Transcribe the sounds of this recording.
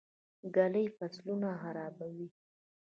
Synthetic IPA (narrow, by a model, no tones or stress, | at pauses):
ɡaləjfaslunaxaɾɑbawi